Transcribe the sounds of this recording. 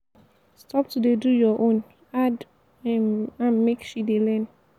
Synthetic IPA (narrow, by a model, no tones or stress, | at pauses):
stʰɔp̚tudedujɔʔõn | ad | hĩmãnmekʃidelɛ̃n